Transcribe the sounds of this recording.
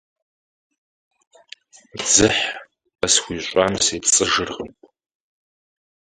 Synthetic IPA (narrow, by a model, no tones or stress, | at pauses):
d͡zɨħ | ɐsxʷiːɕʷʼamseːpt͡sʼɨʒɨrʁəmpʼ